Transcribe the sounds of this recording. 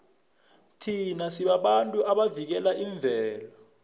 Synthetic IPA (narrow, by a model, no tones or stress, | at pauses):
tʰinasiɓaɓantʼuʔaɓavik̬ɛlaʔiɱb̪vʱɛːla